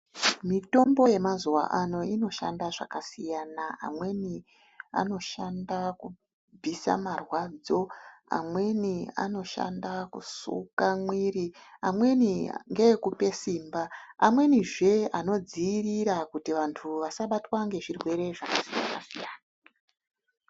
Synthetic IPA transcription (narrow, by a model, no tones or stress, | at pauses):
mito̞mbo̞je̞mazuwa̰ʔano̞ino̞ʃa̰ndaʐa̰kasijanaa̰mwe̞ni | a̰no̞ʃandaku | bʱisa̰marwaːd͡zo̞a̰mwe̞nia̰no̞ʃa̰ndakṵsṵkamwiɾiamwe̞niŋɡe̞kupe̞siːmbaːmwe̞niʐe̞ano̞d͡ziiriɾakutiʋantʰuʋasaɓatwaŋɡe̞ʐirwe̞ɾe̞ʐakasija̰na̰sijaːna